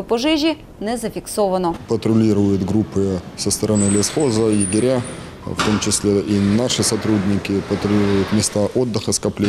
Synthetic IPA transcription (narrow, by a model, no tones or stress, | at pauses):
pɔʒɪʒʲi | nɛzɐfʲiksɔʋɐnɔpət̪ɾʊlʲiɾʊjʊt̪ɡɾupːɨsəst̪əɾɐnɨlʲɪsxozəjɪɡʲɪɾʲa | ft̪o̞mt͡ɕɪsʲlʲeʔinaʂɨsɐt̪ɾudʲnʲɪkʲɪpət̪ɾʊlʲiɾʊjʊt̪mʲɪst̪aʔod̪ːɨxəskɐplʲe